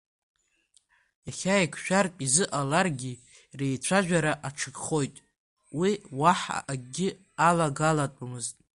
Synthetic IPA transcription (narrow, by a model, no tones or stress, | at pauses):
jaχʲajkʷʰʃᶣarpʼizɨʔalarɡʲi | rejt͡sʷʰaʒᶣaɾaʔaʈ͡ʂʰɨɡχo̞jtʼ | wiwaħa̰ʔaɡʲɪ | alaɡalatʷʼamɨztʼ